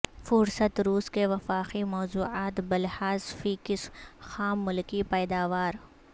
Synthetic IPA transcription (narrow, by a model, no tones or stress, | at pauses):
fʊɾsət̪ɾuːskeʋɐfaːqimɔːzuːaːt̪bɐlhaːzfiːkɪsxaːmːʊlkipɛːd̪aːʋaːɾ